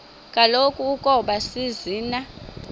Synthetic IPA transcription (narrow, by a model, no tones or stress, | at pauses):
kʼalokʼuːkʼɔɓasiziːna